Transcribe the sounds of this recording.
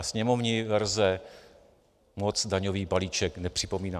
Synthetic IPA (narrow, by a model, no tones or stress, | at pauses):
sɲɛmovɲɪvɛɾzɛ | mot͡sdaɲoviːbaliːt͡ʃɛknɛpr̝̥ɪpo̞miːna